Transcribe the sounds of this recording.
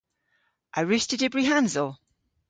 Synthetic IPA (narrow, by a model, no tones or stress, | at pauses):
ʔaɪɹɪstɪdɪbɹiɦãnzəlˠ